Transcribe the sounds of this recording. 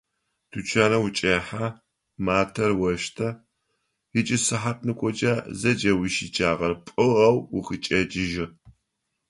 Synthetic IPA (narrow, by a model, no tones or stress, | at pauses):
tʰut͡ʃʰaːnɐwʊt͡ʃʼeːħa | maːtʰɐrwɐʃtʰɐ | jɪt͡ʃʼɪsɨħat̚ʰʼnɨkʷʼɔd͡ʒʼaːzɐd͡ʒɐwiʃit͡ʃʼaːʁɐrpʼɨʁɐwʊxɨt͡ʃʼɐt͡ʃʼɪʒɪ